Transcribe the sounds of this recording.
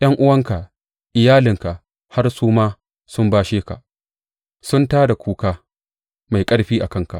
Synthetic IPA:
j̰ɐ˦ŋʔʊ˦wɐ˦ŋka˨ʔ | ʔɪ˨jaː˦lɪ˨ŋka˨ʔ | ha˦rsuː˦maː˦ | sʊ˦mbaː˦ʃeː˦ka̰˨ʔ | sʊ˦ntaː˦da˨kʷuː˨kaː˦ | ma˨jkʼɐ˦ɽɸiː˦ʔa˨kɐ˦ŋka̰˨ʔ

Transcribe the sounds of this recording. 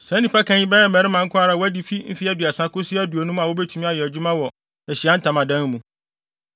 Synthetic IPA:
sɛ̃˨˦nĩ˨pʰa˦kʰã˦ɲĩ˦bɛ˦jɛ˦mɛ˨ɾɪ˦mã˨ŋ̩˦kʰʊ˦a˦ɾa˨wɔ˦æ˦di˨fi˦m̩˦fi˦æ˦dɪ˨a˨sã˦kʊ˦sɪ˦æ˦du˨o˨nũ˦m̃˦a˨wo˦bɛ˦tʰu˨mĩ˦a˨jɛ˨æ˨d͡ʑᶣu˦mã˦wɔ˨ | ɛ˨ɕi˨a˦n̩˦tʰã˨mã˨dã˦n˦mũ˨

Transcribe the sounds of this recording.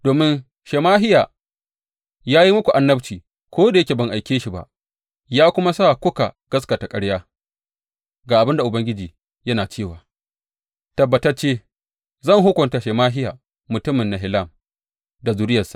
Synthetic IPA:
doː˨mɪ˦n | ʃeː˨maː˦ɦɪ˦jaː˨ | jaː˦ji˦mʊ˦kʷu˨ʔa˨nːɐ˦bt͡ʃiː˨ | kʷoː˦da˨jɐ˦kʲe˨bɐ˨ŋʔa˨jkʲeː˦ʃi˨ba̰˦˨ʔ | jaː˦kʷʊ˦ma˦saː˦˨kʷʊ˦ka̰˨ɡ̥ɐ˦s̬ka˨ta˨kʼɐ˦ɽjaː˦ | ɡaː˨ʔa˨bɪ˦nda˨ʔʊ˨bɐ˦ŋɡʲɪ˦d͡ʒiː˨ | jɐ˦naː˨t͡ʃeː˦˨waː˨ | tɐ˨bːɐ˨tɐ˦rt͡ʃeː˦ | zɐ˦˨ŋɦʊ˦kʷʊ˨nta˨ʃeː˨maː˦ɦɪ˦jaː˨ | mʊ˨tʊ˦mɪ˨nːa˨ɦɪ˨la˦˨m | da˨zu˨ɾɪ˦jɐ˨sa˨ʔ

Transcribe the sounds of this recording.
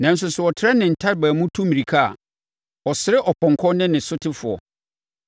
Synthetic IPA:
nã˨n̩˦s̬ʊ˨sʊ˨ɔ˨tʰɪ˦ɾɛ˦nɪ̃˨n̩˨tʰa˦ɾbæː˨mʊ̃˦tʰũ˦mĩ˨ɾi˨kʰa˦a̰˨ | ɔ˨sɪ˨ɾɪ˦ʔɔ˨pʰɔ̃˨ŋkʰɔ̃˦nɪ̃˦nɪ̃˨sʊ˦tʰɪ˦fʊ˨ɔ̰˨

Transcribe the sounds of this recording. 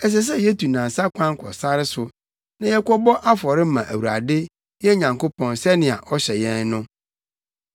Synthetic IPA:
ɛ˨s̬ɛ˦s̬ɛ˦jɛ˦tʰu˨nã˨n˨sa˦kʷʰã˦ŋ˦kʰɔ̰˨sa˦ɾɪ˦sʊ˨ | nã˨jɛ˦kɔ˦bɔ˦ʔa˦fɔ˨ɾɪ˦mã˨ʔæ˨wu˨ɾa̰˨dɪ˦ | jɛ˦ɲã˨ŋko˦pʰɔ̃˨nsɛ˦nɪ̃˨a̰˨ʔɔ˦ɕɛ˨jɛ̃˦nnʊ̃˦

